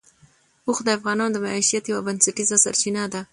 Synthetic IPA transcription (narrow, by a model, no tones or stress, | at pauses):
uxd̪əafɣɑnɑnod̪əmaiʃijat̪jawabansaʈizasa̰ɾt͡ʃinad̪a